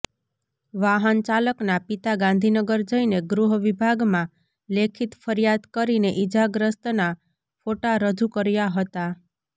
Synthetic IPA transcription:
ʋaɦənt͡ʃaləknapit̪aɡãnd̪ʱinəɡəɾd͡ʒəineɡɾuɦʋibʱaɡmã | lekʰit̪fʰəɾjad̪kəɾineʔid͡ʒaɡɾəst̪na | foʈaɾəd͡ʒukəɾjaɦət̪a

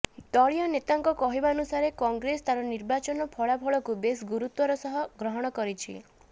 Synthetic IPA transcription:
d̪ɔɭijɔnet̪aŋkɔkɔɦibaɔnusaɾekɔŋɡɾest̪aɾɔniɾbat͡ʃɔnɔpʰɔɭapʰɔɭɔkubes̬ɡuɾut̪wɔɾɔsɔɦɔɡɾɔɦɔɽ̃ɔkɔɾit͡ʃʰḭ

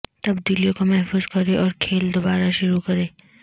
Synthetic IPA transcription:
t̪ɐbd̪iːlijõkomɛɦfuːzkɐɾeʔɔːɾkʰeːld̪obaːɾaʃʊɾukɐɾẽː

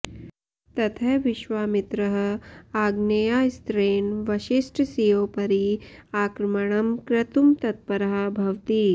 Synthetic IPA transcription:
t̪ɐt̪ʰɐʋɪʃwaːmɪt̪ɾɐɦɐ̆aːɡnejaːst̪ɾeːnʋɐʃisʈʰsijoːpɐɾiaːkɾmɐɳ̃ɐmkɾɐt̪umt̪ɐt̪̚pɐɾɐɦɐ̆bʱɐʋt̪i

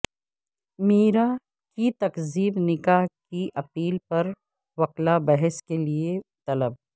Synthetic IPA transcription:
miːɾa | kit̪ɐqziːbnɪkaːɦkiʔɐpiːlpɐɾ | ʋɐqlabɐɦɛskeliet̪ɐləb̚

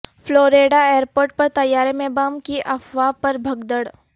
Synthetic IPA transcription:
floːɾeːɖaeːɾpoːɾʈ̚pɐɾt̪ɐjːaːɾemẽːbaːmkiʔɐfʋaːpɐɾbʱɐɡd̪əɽ

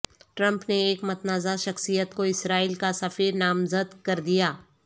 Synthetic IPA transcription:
ʈɾɐ̃mpneːkmɐt̪naːzaʃɐxsijət̪koɪsɾaːiːlkasɐfiːɾnaːmzəd̪kɐɾd̪ijaː

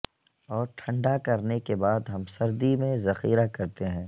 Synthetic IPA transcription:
ɔːɾʈʰɐ̃ɳɖakɐɾnekebaːd̪ɦɐmsɐɾd̪imẽzɐxiːɾakɐɾt̪eɦɛ̃ː

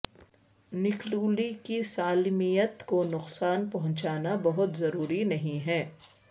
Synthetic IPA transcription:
nɪkluːlikisaːlmijət̪konʊqsaːnpɐɦʊ̃nt͡ʃaːnabɐɦʊt̪zɐɾuːɾinɐɦĩɦɛː

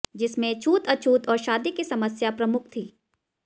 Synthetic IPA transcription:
d͡ʒɪsmẽt͡ʃʰuːt̪ɐt͡ʃʰuːt̪ɔːɾʃaːd̪ikisɐməsjapɾɐmʊk̚ʰt̪ʰiː

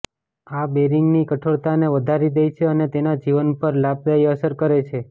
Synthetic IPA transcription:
abeɾiŋɡnikəʈʰoɽt̪aneʋəd̪ʱaɾid̪ejt͡ʃʰeənet̪enad͡ʒiʋənpəɾlab̚d̪ajəsəɾkəɾet͡ʃʰe

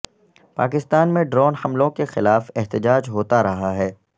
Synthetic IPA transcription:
paːkɪst̪aːnmẽɖɾɔːnhɐmlõkexɪlaːfɛɦt̪əd͡ʒaːd͡ʒɦoːt̪aɾɐɦaɦɛː

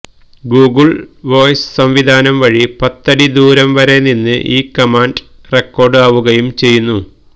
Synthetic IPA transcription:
ɡuːɡɨɭʋo̞ːjsɨ̥sɐmʋid̪ʱaːnɐmʋɐɻipɐt̪ːɐɽid̪uːɾɐmʋɐɾe̞ninːɨ̰ʔiːkɐmaːnɖ | rekːo̞ːrɖɨaːʋuɣɐjumt͡ɕe̞jːunːu

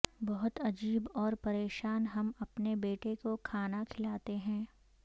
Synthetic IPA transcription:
bɐɦʊt̪ɐd͡ʒiːbɔːɾpɐɾeːʃaːnɦɐmɐpnebeːʈekokʰaːnakʰɪlaːt̪eɦɛ̃ː

